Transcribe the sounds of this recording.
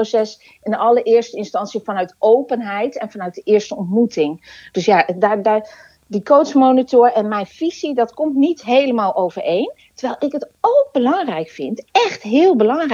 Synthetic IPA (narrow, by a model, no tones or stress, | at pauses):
osɛs | ɪnɑləʔɪːɹstəɪnstɑntsiəfɑnœɥtowpənɦɛjtɛnfɑnœɥt̚dəʔɪːɹstəɔntmutɪŋd̥øsjadadaː | dikowsmownitʊɹɛnmɛjnfisidɑtkɔmtnitɦejləmaːlˠʔowvəɹejn | təɹʋɛjlˠɪkɦətowk̚bəlɑŋrɛjkfɪntɛχtɦɪːlˠbəlɑŋr